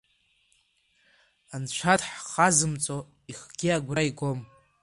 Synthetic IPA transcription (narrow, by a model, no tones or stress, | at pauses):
ant͡ʃʷʰatħχazɨmt͡sʼo | iχɡ̥ʲiaɡʷraiɡʷo̞m